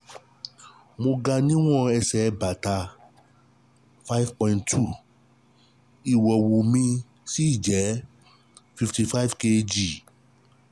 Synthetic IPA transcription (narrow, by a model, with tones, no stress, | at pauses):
mõ˧ɡa˧nĩ˦w̃ɔ̃˦˨ɛ˧sɛ˨˦ba˨ta˧ | fa˦jvpɔ̃˧ĩ˦ntʰu˦˨ | i˨wɔ˨wu˨mĩ˧ | si˦i˦˨d͡ʒɛ˨˦ | fi˧fti˧fa˦jvke˧d͡ʒi˨